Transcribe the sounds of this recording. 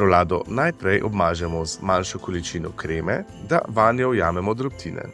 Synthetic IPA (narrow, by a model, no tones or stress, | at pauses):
pɾɔlaːd̪ɔ̰najpɾɛjʔɔbmaːʒɛmɔzmanʃɔkɔlit͡ʃiːnɔkɾeːmɛd̪a̰ʋaːnjɔɔjaːmɛmɔd̪ɾɔp̚t̪ʰiːnɛ̰